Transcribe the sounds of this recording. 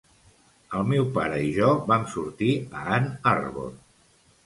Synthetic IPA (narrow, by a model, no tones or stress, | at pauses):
əlˠmewpa̰ɾəiʒɔβamsuɾt̪iəanarβo̰n